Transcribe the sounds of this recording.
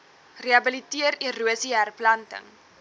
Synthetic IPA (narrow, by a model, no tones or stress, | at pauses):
reɐbəlitiəriruəsiærplɐntə̰ŋ